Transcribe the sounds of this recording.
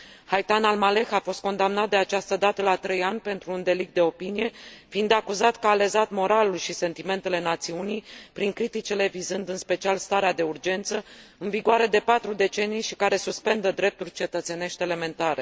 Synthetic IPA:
hajt̪analmale̞xafo̞st̪ko̞nd̪amnat̪̚d̪eat͡ʃast̪əd̪at̪əlat̪ɾe̞janʲpe̞nt̪ɾuːnd̪e̞lik̚t̪d̪e̞o̞pinije̞fiind̪akuzat̪kəːle̞zat̪mo̞ɾalulʃise̞nt̪ime̞nt̪e̞le̞nat̪siunijpɾiŋkɾit̪it͡ʃile̞vizɨnd̪ɨnspe̞t͡ʃialst̪aɾead̪e̞urd͡ʒe̞nt̪səɨnviɡoaɾe̞d̪e̞pat̪ɾud̪e̞t͡ʃe̞nijʃikaɾe̞suspe̞nd̪əd̪ɾe̞p̚t̪urʲt͡ʃe̞t̪ət̪se̞ne̞ʃt̪ʲele̞me̞nt̪aɾe̞

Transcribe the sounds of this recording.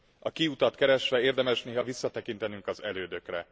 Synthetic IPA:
ɒkiut̪ɒt̪kɛɾɛʃʋɛeːrd̪ɛmɛʃneːɦɒvisːɒt̪ɛkint̪ɛnyŋkɒzɛløːd̪ø̞krɛ

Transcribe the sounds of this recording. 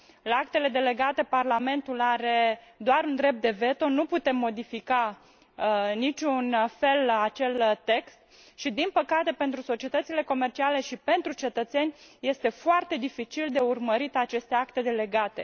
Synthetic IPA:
lak̚t̪e̞le̞d̪e̞le̞ɡat̪e̞parlame̞nt̪ulaɾe̞d̪oaɾund̪ɾe̞p̚t̪̚d̪e̞ve̞t̪o̞nuput̪e̞mːo̞d̪ifika | nit͡ʃʲunfe̞lat͡ʃe̞lt̪e̞kst̪̚ | ʃid̪inpəkat̪e̞pe̞nt̪ɾuso̞t͡ʃiet̪ət̪sile̞ko̞me̞rt͡ʃiale̞ʃipe̞nt̪ɾut͡ʃe̞t̪ət̪se̞nʲje̞st̪e̞foart̪e̞d̪ifit͡ʃild̪e̞urməɾit̪at͡ʃe̞st̪e̞akt̪e̞d̪e̞le̞ɡat̪e̞̰

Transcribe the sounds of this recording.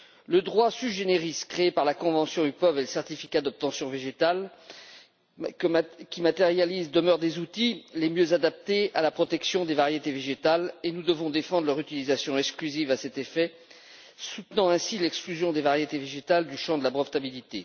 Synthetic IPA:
ləd̪ʁwasyʒeneʁiskχeːpaʁlakɔ̃vɑ̃sjɔ̃ypɔveləsɛʁt̪ifi̥kad̪ɔp̚t̪ɑ̃sjɔ̃veʒet̪al | kʲimat̪eʁjalizd̪əmœʁd̪ezut̪ilemjøzad̪ap̚t̪ealapχɔt̪ɛksjɔ̃d̪evaʁjet̪eveʒet̪alenud̪əvɔ̃d̪efɑ̃d̪ʁlœʁyt̪ilizasjɔ̃ɛksklyzivasɛt̪efɛ | sut̪nɑ̃ɛ̃silɛksklyzjɔ̃d̪evaʁjet̪eveʒet̪ald̪yʃɑ̃d̪əlabʁɔft̪abilit̪e

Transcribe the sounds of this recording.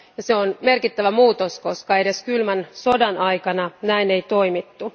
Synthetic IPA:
jɑseonme̞rkit̪ːæʋæmuːt̪osko̞skɑe̞de̞skylmænso̞dɑnɑjkɑnɑnæinejt̪o̞imit̪ːu

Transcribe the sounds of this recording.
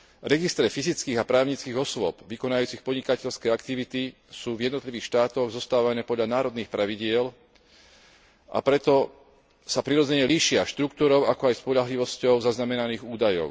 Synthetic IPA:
ɾɛɡist̪ɾɛfizit͡skiːɣapɾaːʊɲit͡skiːɣɔsʋʊɔpʋikɔnajuːt͡sixpɔdɲikacɛʎskɛakt̪iʋit̪i | suːvjɛd̪nɔt̪liʋiːxʃt̪aːt̪ɔɣzɔst̪aːʋanɛːpɔd̪ʎanaːɾɔd̪niːxpɾaʋiɟɪɛl | ʔa̰pɾɛt̪ɔ | sapɾiɾɔd͡zɛɲɛliːʃɪaʃt̪ɾuk̚t̪uːɾɔʊakɔajspɔʎaɦliʋɔscɔʊzaznamɛnaniːɣuːd̪ajɔ̰ʊ

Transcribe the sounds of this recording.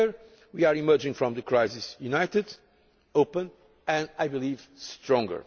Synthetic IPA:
ɹ | wiaɹimɜ˞d͡ʒɪ̃ŋfɹɔ̃mðəkɹajzɪsjunajtɨd | opə̃n | ɨ̃ndajbilivstɹɔ̃ŋɡə̰˞

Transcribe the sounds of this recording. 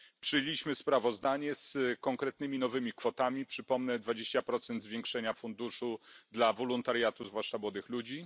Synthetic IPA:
pʂɘjelʲiɕmɘspɾavɔzd̪aɲɛskɔŋkɾɛt̪̚nɘmʲinɔvɘmʲikfɔt̪amʲipʂɘpɔmnɛd̪vad͡ʑeɕt͡ɕapɾɔt̪sɛnd̪zvʲjeŋkʂɛɲafund̪uʂud̪lavɔlɔnt̪aɾjat̪uzvwaʂt͡ʂamwɔd̪ɘxlud͡ʑi

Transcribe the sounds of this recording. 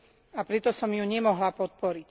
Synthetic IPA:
apɾɛt̪ɔsɔmjuɲɛmɔɦlapɔt̪̚pɔɾic

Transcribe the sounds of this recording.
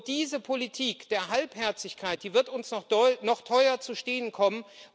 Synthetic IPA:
d̥iːzəpʰolitʰiːkd̥eːɐɦalphɛɐt͡sɪçkʰaɪt̚d̥iːvɪɐtʊnsnɔχɔnɔχtʰɔʏɐt͡suʃteːənkʰɔmən

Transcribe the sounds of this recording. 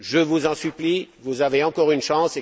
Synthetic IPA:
ʒəvuzɑ̃syplivuzaveɑ̃kɔʁynʃɑ̃se

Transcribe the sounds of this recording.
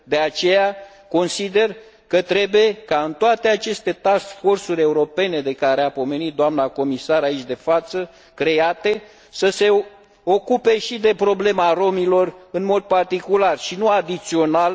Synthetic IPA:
d̪e̞at͡ʃe̞ja | ko̞nsid̪e̞r | kət̪ɾe̞buje̞kaɨnt̪oat̪e̞at͡ʃe̞st̪e̞t̪asfo̞rsuɾʲe̞uɾo̞pe̞ne̞d̪e̞kaɾeapo̞me̞nit̪̚d̪oamnako̞misaɾait͡ʃʲd̪e̞fat̪sə | kɾe̞at̪e̞ | səse̞ | okupe̞ʃid̪e̞pɾo̞ble̞maɾo̞milo̞rɨnmo̞d̪̚part̪ikularʃinuad̪it̪sio̞nal

